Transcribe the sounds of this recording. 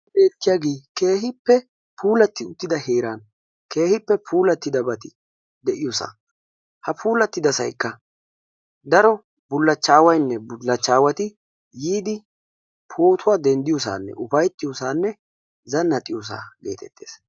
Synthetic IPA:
beːt̪ːɪjaːɡeːke̞ːhɪpːɛ | pʰuːlɐt̪ːɪʊt̪ːɪd̪ɐheːɾaːn | ke̞ːhɪpːɛpʰuːlɐt̪ːɪd̪ɐbɐt̪ɪ | d̪ɛʔɪjʊsa̰ː | hɐpʰuːlɐt̪ːɪd̪ɐsɐ̰jkːɐ | d̪ɐɾɔ | bʊlːɐt͡ʃːaːwɐjnːɛbʊlːɐt͡ʃːaːwɐt̪ɪ | jiːd̪ɪ | pʰoːt̪ʰʊwaːd̪ɛnd̪ɪjʊs̬a̰ːnːɛ̰ʔʊfɐjt̪ːɪjɔsaːnːɛ | zɐnːɐt̪ʼɪjɔs̬a̰ːɡe̞̰ːt̪ɛ̰t̪ːeːs

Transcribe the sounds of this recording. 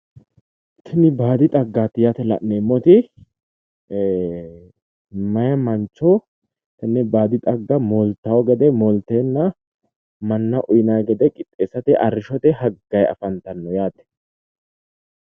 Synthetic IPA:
t̪ʰɐnɪbaːd̪ɪt̪ʼɐɡːaːt̪ːɪjat̪ɛlɐ̰ʔnːeːmːɔt̪ɪ | mɐjɐmɐnt͡ʃːɔ | t̪ɐnːɛbaːd̪ɪt̪ʼɐɡːɐmoːlt̪ːɐwɔɡɛd̪ɛmɔlt̪eːnːɐ | mɐnːɐʔʊjnɐjɡɛd̪ɛkʼɪt̪ʼːeːsːɐt̪ɪʔɐrːɪʃɔt̪ɛɦɐɡːɐjɐ̰fɐnt̪ɐnːɔjaːt̪ɛ̥

